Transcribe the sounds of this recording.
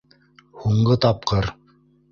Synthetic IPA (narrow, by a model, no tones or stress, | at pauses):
huɴɢɤt̪ɑp̚qɤɾ